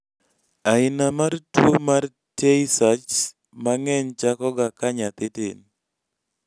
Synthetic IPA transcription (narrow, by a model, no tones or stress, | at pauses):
aɪnamartwomar | teisat͡ʃ | maŋɛɲt͡ʃakɔɡakaɲat̪ɪtḛn